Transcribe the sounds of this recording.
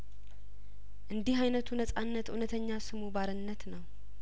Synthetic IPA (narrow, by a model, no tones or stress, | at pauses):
ʔɨnd̪iɦajnət̪ʰunəsʼanːət̪unət̪ʰəɲːasɨmubaɾɨnːət̪nəw